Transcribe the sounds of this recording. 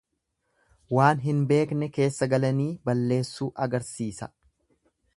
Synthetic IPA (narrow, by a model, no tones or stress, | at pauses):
waːnɦɪnbe̞ːknɛke̞ːsːɐɡɐlɐniːbɐlːe̞ːsːuːʔɐɡɐɾsiːsɐ